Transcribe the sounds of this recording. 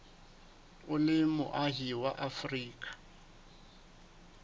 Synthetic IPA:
ʊlɪmʊ̰ʔaɦiwaʔafriːkʼḁ

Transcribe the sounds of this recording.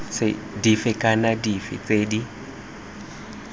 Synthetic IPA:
sɪ̰ | difɪkʼanadifɪ̰t͡seːdi

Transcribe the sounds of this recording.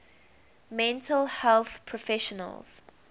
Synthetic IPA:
mɛ̃ntʰəlhɛlθpʰɹɔfɛʃɔnə̰lz̥

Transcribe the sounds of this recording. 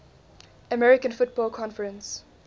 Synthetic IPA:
əmɛɹɪkə̃nfʊt̚b̥ɔːlˠkʰɔ̃nfəɹə̃ns

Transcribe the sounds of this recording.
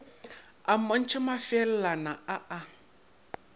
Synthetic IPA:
amɔn̩t͡ʃʰɪmafɛl̩lanaaʔa

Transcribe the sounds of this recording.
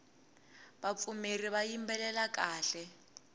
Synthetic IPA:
bap̪fumeriβajimbɛlɛlakʼaːɬɛ

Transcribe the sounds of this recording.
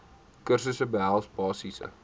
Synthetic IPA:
kərsəsəbəɦælˠsbɑːsisə̰

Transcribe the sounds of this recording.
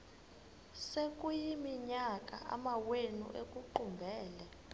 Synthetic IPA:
sekʼujimiɲakʼa̰ʔa̰mawenṵʔekʼuǃumbʱɛːlɛ

